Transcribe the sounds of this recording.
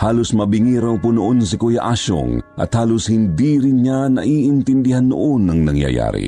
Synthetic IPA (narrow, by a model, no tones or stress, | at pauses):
haːlosmɐbɪŋiɾawŋpunoʔonsɪkojaʔaʃo̰ŋʔɐ̰t̪haːloshɪnd̪iɾɪnɲanɐ̰ʔiʔɪnt̪ɪnd̪ɪhanːʊ̰ʔonːɐŋnɐŋja̰ja̰ːɾḭ